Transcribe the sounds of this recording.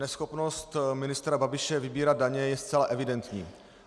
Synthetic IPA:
nɛsxopnost̪mɪnɪst̪ɾababɪʃɛvɪbiːɾad̪̚daɲɛjɛst̪t͡sɛlaʔɛvɪdɛnt̪ɲḭː

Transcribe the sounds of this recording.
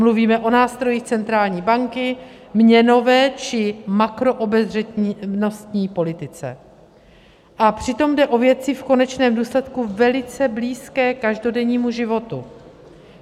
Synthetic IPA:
mluviːmɛʔo̞naːst̪ɾo̞jiːxt͡sɛnt̪ɾaːlɲiːbaŋkɪ | mɲɛno̞vɛːt͡ʃɪmakɾo̞ʔobɛzrɛt̪no̞st̪ɲiːpo̞lɪt̪ɪt͡sɛ̰ | ʔapr̝̥ɪt̪o̞mdɛʔo̞vjɛt͡sɪfko̞nɛt͡ʃnɛːmduːslɛt̪kuvɛlɪt͡sɛbliːskɛːkaʒdo̞dɛɲiːmuʒɪvo̞t̪u

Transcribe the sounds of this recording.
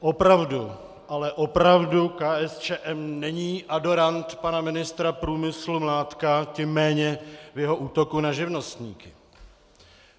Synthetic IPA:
ʔopɾavdu | ʔalɛʔopɾavdukaːʔɛst͡ʃɛːʔɛmnɛɲiːʔado̞ɾant̪panamɪnɪst̪ɾapɾuːmɪslumlaːt̪kacɪmːɛːɲɛvjɛɦo̞ʔuːt̪o̞kunaʒɪvno̞st̪ɲḭːkɪ

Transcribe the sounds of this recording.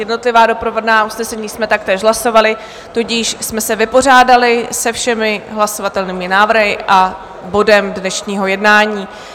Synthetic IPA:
jɛdno̞t̪lɪvaːdo̞pɾovodnaːʔusnɛsɛɲiːsmɛt̪ak̚t̪ɛːʃɦlaso̞valɪ | t̪ocɪʃsmɛsɛvɪpo̞r̝aːdalɪsɛfʃɛmɪɦlaso̞vat̪ɛlniːmɪnaːvr̩ɦɪʔa | bo̞dɛmdnɛʃɲiːɦo̞jɛdnaːɲiː

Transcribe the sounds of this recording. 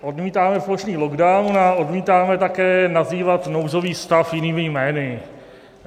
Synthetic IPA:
ʔo̞dmiːt̪aːmɛfloʃniːloɡdawnaʔo̞dmiːt̪aːmɛt̪akɛːnaziːvat̪nowzo̞viːst̪afjɪniːmɪjmɛːnɪ

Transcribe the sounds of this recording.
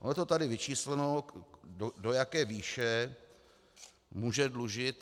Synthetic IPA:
ʔo̰nt̪ot̪adɪvɪt͡ʃiːslɛnoodojakɛːviːʃɛ | muːʒɛdluʒɪt̪

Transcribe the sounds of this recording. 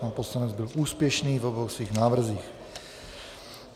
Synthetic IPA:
anposlanɛd͡zbɪlʔuːspjɛʃniːvoboxsʋiːɣnaːvr̩ziːx

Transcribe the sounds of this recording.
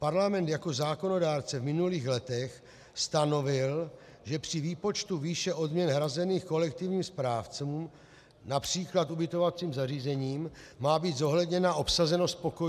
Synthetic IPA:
paɾlamɛnt̪jako̞zaːko̞no̞daːɾt͡sɛvmɪnuliːxlɛt̪ɛx | st̪ano̞vɪl | ʒɛpr̝̥ɪviːpo̞t͡ʃt̪uviːʃɛʔo̞d̪mɲɛnɦɾazɛniːxko̞lɛk̚t̪ɪvɲiːmspɾaːft͡sum | napr̥iːklat̪ubɪt̪o̞vat͡siːmzariːzɛɲiːmːaːbiːd̪zo̞ɦlɛdɲɛnaʔo̞psazɛno̞spo̞koj

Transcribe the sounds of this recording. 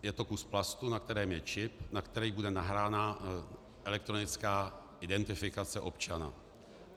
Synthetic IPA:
jɛt̪o̞kusplast̪unak̚t̪ɛɾɛːmjɛt͡ʃɪpnakt̪ɛɾɛjbudɛnaɦɾaːna | ʔɛlɛk̚t̪ɾo̞nɪt͡skaː | ʔɪdɛnt̪ɪfɪkat͡sɛʔo̞pt͡ʃana̰

